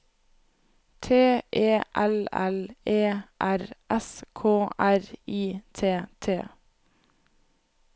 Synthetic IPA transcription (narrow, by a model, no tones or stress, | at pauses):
t̪ʰeːʔeːʔɛlɛleːʔæɾʔɛskʰoːʔæɾiːt̪ʰeːt̪ʰeː